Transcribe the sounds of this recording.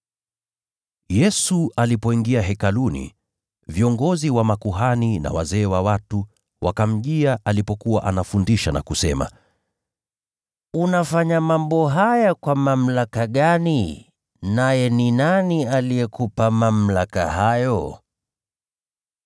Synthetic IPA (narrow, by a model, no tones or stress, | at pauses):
jɛsualipɔiŋɡiaɦɛkalunḭ | viɔŋɡɔziwamakuɦanina̰wazɛːwawatu | wʔa̰kam̩ʄiaʔalipɔkuwaʔanafundiʃana̰kusɛma̰ | unafaɲamambɔɦajakwamam̩lakaɠani | najɛninanialijɛkupamam̩laka̰hajɔ